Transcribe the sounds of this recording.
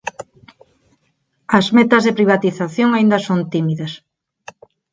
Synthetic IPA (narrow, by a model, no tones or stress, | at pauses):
ɐzmet̪ɐzðepɾiβ̞at̪iθaθjoŋaind̪ɐsont̪imiðɐs